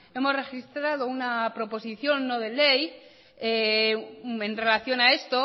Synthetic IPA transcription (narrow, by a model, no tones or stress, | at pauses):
e̞mo̞zre̞xist̪ɾað̞o̞unapɾo̞po̞siθjo̞nːoð̞e̞le̞j | e | enre̞laθjo̞nae̞st̪o̞